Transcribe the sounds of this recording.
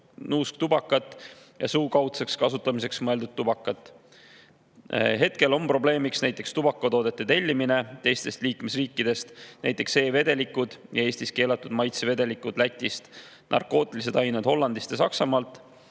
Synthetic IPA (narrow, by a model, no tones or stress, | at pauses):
nuːsk̚t̪ubɑkːˑɑt̪ːˑ | jɑsuːkɑwt̪sekskɑsut̪ˑːɑmise̞ksmɤeld̪ud̪̥̚t̪ːub̥ɑkːˑɑt̪ːˑ | ɦe̞t̪ke̞lo̞mpro̞ble̞ːmiksnæjt̪ːˑe̞kst̪ub̥ɑkːˑot̪o̞ːd̪̥e̞t̪ːet̪e̞lʲːimine̞t̪e̞jst̪e̞st̪liːkme̞sriːkːˑid̪̥e̞st̪næjt̪ːˑekse̞ːve̞d̪e̞likːud̪̥jɑe̞ːsʲt̪iske̞ːlɑt̪ːˑud̪̥mɑjt̪seve̞d̪e̞likud̪̥læt̪ʲːist̪ | nʔɑ̰rko̞ːt̪ːˑilise̞d̪ɑjned̪̥ho̞lːɑnd̪ist̪jɑsɑksɑmɑːlt̪ˑ